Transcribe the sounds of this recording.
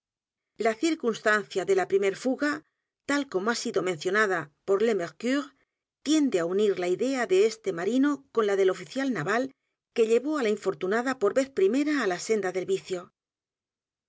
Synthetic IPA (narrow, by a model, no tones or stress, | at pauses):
laθiɾkunst̪anθjaðe̞lapɾime̞ɾfuɣa | t̪alko̞moasiðo̞mẽn̟θjo̞naðapo̞ɾle̞meɾkyɾ | t̪je̞nd̪eauniɾlaiðe̞aðe̞est̪e̞maɾino̞ko̞nlaðe̞lo̞fiθjalnaβal | ke̞ʎe̞βo̞alaiɱfo̞ɾt̪unaðapo̞ɾβe̞θpɾime̞ɾaːlase̞nd̪aðe̞lβiθjo̞